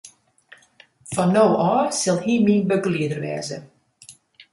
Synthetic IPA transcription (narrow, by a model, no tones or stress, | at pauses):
fɔnːowɔːsɪlˠhiminbəɡliədərʋɛ̰ːzə